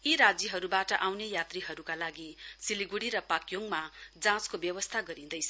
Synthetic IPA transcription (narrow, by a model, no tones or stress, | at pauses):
iɾad͡zjʌɦʌɾubaʈʌʔawnejat̪riɦʌɾukalaɡisiliɡuɽiɾʌpakjoŋmad͡zãt͡skobjʌwʌst̪ʰaɡʌɾĩd̪ʌjt͡sʰʌ